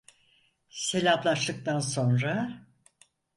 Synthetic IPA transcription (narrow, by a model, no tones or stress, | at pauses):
se̞lʲalˠaʃt̪ˠɯk̚t̪anso̞nɾa